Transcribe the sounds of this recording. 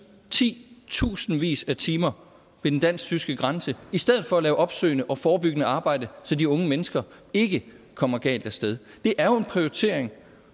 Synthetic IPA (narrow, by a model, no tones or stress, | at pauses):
t͡sʰḭːt͡sʰṵːsn̩ʋḭːsæt͡sʰiːmɐ | ʋe̝d̥end̥æn̰ssysɡ̥əɡ̥ʁɑ̈nsəisd̥eð̰ˠð̩ˠfɒ̽ælɛːʊʔɒ̽b̥sø̰ːɪnəʔɒ̽fɒːb̥yɡ̥ənəɑ̈ːb̥ɑ̈ɪ̰d̥əsɒ̽diɔ̽ŋəmenəsɡ̥ɐ | e̝ɡ̥ə | kʰɒ̽m̰ɐæɡ̥ɛ̰ːld̥æɐsd̥eð̞ˠ | d̥e̝ʔæɐjoe̝npʰʁiot͡sʰe̝̰ːɐ̰eŋ